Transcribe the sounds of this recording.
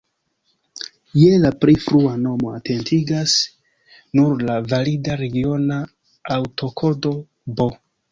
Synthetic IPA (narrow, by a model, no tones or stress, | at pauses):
jelapɾefɾuano̞mo̞atʰe̞ntʰiɡas | nuɾlavalidaɾe̞ɡio̞naː | wtʰo̞kʰo̞do̞ | bo̞